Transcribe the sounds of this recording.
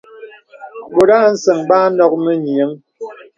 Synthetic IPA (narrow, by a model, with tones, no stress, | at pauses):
bo˨ɾaː˦n̩˦sə˨ŋbaː˦nɔ˦k̚mə˦ɲjə˨˦ŋ